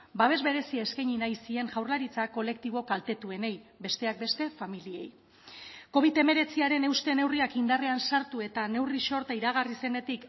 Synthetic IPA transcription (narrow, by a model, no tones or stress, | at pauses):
baβ̞e̞zβe̞ɾe̞siaeskajɲinajsie̞ŋʝawɾlaɾit͡sakːo̞le̞k̚t̪iβ̞o̞kalt̪e̞t̪ue̞ne̞jbe̞st̪e̞ak̚be̞st̪e̞familie̞̰j | ko̞β̞it̪e̞me̞ɾe̞t͡siaɾe̞ne̞wst̪e̞ne̞wriakind̪are̞ansaɾt̪ue̞t̪ane̞wriʃo̞ɾt̪aiɾaɣ̞arise̞ne̞t̪ik